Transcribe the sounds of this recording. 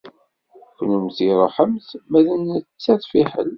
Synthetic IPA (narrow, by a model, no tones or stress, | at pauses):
kʷnumθiɾˤoħəmθmæðənət͡sːæðˤfiħə̰l